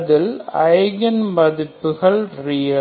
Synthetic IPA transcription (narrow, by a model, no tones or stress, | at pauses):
ðɪlɐɪɣɐnmɐðɪpːɯɣɐɭrɪjɐ